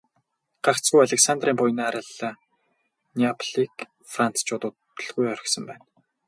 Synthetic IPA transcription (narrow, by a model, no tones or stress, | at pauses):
ɢ̥aχt͡sɣujaɮĕksant̪riːmpʊj̆naaɾə̆ɮa | niapʰɮik | fran̥t͡st͡ɕʊːt̪ʊt | ə̆ɮɣujœr̆ʲxsə̆mpæːn